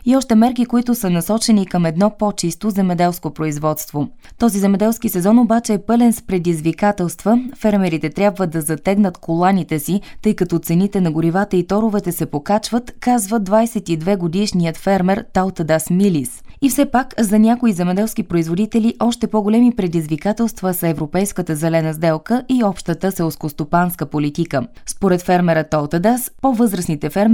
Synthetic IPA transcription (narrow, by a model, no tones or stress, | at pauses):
iɔʃt̪ɛmɛɾk̬ikoit̪ʊsənɐsɔt͡ʃɛnikəmɛd̪nɔpɔt͡ʃist̪ozɛmɛd̪ɛlˠskopɾoizvɔt̪st̪vot̪ɔzizɛmɛd̪ɛlˠskisɛzɔnobat͡ʃɛːpɤlɛnspɾɛd̪izvikat̪ɛlˠst̪vəfɛɾmɛɾit̪ɛt̪ɾʲjabvəd̪ɐzɐt̪ɛɡnət̪kʰolˠanit̪ɛsit̪ɤjkɐt̪ɔt̪sɛnit̪ɛnɐɡʊɾivat̪əit̪ɔɾʊvɛt̪ɛsɛpokat͡ʃvət̪kazvəd̪vajsɛt̪id̪vɛɡod̪iʃnijət̪fɛɾmɛɾt̪alˠt̪əd̪asmilisifsɛpakzɐnʲakoizɛmɛd̪ɛlˠskipɾoizvod̪it̪ɛliʔɔʃt̪ɛpoɡolɛmipɾɛd̪izvikat̪ɛlˠst̪vəsəɛvɾopɛjskət̪əzɛlɛnəzd̪ɛlˠkəʔiɔpʃt̪ət̪əsɛlˠskost̪opanskəpolit̪ikə | spoɾɛt̪fɛɾmɛɾət̪alˠt̪əd̪aspovɤzɾəsnit̪ɛfɛɾm